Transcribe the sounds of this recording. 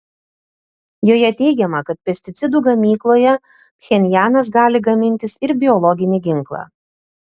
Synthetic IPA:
joːjɛt̪ʲɛɪɡʲɛmɐkɐt̪̚pʲɛsʲt̪ʲɪt̪sʲɪd̪uːɡɐmʲiːklˠoːjɛ | xʲɛnʲjæːnɐsɡɑːlʲɪɡɐmʲɪnʲt̪ʲɪsɪɾbʲɪɔlˠɔɡʲɪnʲɪɡʲɪŋklˠɑ̰ː

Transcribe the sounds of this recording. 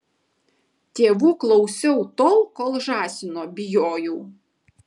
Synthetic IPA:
t̪ʲeːʋuːklˠɔʊsʲɛʊt̪oːʊkoːlˠʒɑːsʲɪnoːbʲɪjoːjuː

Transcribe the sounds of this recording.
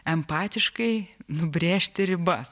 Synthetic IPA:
ɛmpɑːt̪ʲɪʃkɐɪnʊbʲɾʲeːʃʲt̪ʲɪɾʲɪbɐs

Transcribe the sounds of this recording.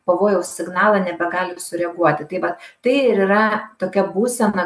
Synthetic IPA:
pɐʋoːjɛʊsʲɪɡnɑːlˠɐnʲɛbʲɛɡɑːlʲɪsʊɾʲɛɡuɔt̪ʲɪt̪ɐɪʋɐt̪t̪ɐɪɪɾiɾɐt̪oːkʲɛbuːsʲɛnɐ

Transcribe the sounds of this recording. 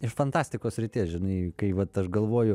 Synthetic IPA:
ɪʃfɐnt̪ɑːsʲt̪ʲɪkoːsʲɾʲɪt̪ʲiːsʒʲɪnɐɪkɐɪʋɐt̪ɐʃɡɐlˠʋoːjʊ

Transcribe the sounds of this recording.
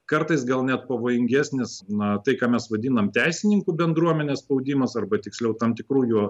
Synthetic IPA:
kɐrt̪ɐɪs̬ɡɐlˠnʲɛt̪̚pɐʋoːjɪŋʲɡʲæːsʲnʲɪsnɐt̪ɐɪkɑːmʲɛsʋɐd̪ʲinɐmt̪ʲæɪsʲɪnʲɪŋkuːbʲɛnd̪ɾuɔmʲɛnʲeːsspɐʊd̪ʲiːmɐsɐrbɐt̪ʲɪksʲlʲɛʊt̪ɐmt̪ʲɪkɾuːjuɔ

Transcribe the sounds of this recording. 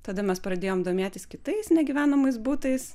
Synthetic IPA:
t̪ɐd̪ɐmʲɛspɾɐd̪ʲeːjoːmd̪oːmʲeːt̪ʲɪskʲɪt̪ɐɪsnʲɛɡʲiʋʲæːnɐmɐɪsbuːt̪ɐɪs

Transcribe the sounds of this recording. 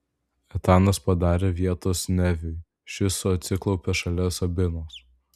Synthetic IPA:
ɛt̪ɑːnɐspɐd̪ɑːɾʲeːʋʲiɛt̪oːsnʲɛʋʲʊj | ʃʲɪsoɐt̪ʲsʲɪklˠɒʊpʲeʃɐlʲɛsɐbʲɪnoːs

